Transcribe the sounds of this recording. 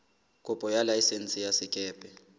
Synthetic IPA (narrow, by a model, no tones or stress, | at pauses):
kʼɔpʼɔjalajisent͡sʼijasikʼɛːpʼɛ